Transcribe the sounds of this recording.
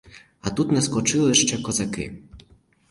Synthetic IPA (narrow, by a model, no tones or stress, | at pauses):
at̪ut̪nɛskɔt͡ʂɨlˠɪʂt͡ʂɛkɔzakɪ̰